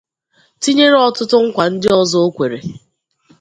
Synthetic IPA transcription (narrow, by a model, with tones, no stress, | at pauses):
ti˦ɲe˦ɾɔ˦tʊ˦tʊ˦ŋ̩˦kʷa˨n̩˦dɪ˦ɔ˦zɔ˦o˦kʷe˨ɾḛ˨